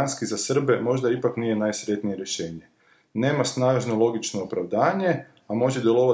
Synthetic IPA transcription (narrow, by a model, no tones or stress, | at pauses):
anskizasr̩be̞mo̞ʒd̪aipaknije̞naːjsɾʲje̞t̪nije̞ɾje̞ʃe̞ːɲe̞ | ne̞ːmasnaːʒno̞lˠo̞ɡit͡ʃnoopɾaʋd̪aːɲe̞ | amo̞ʒed̪je̞lo̞ʋa